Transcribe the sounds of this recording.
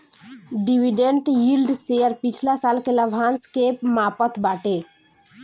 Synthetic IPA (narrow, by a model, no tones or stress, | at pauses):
ɖiʋiɖẽɳʈjilɖseəɾpit͡ʃʰlasalkeləbʱanskeːpmapət̪ʰbaʈe